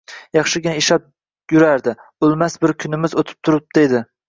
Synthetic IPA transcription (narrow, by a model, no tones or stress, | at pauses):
jɑχʃɪɡʲɪnaeʃap̚ | jʊɾaɾd̪ɪʊlˠmasbɪɾkʲʰʊnɪmɪzot̪ʰɪ̥p̚t̪ʰʊɾɪp̚d̪e̞d̪ɪ